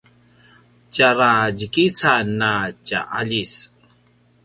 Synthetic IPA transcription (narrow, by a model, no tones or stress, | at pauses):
caɾaɟikisanaca̰ʔaʎis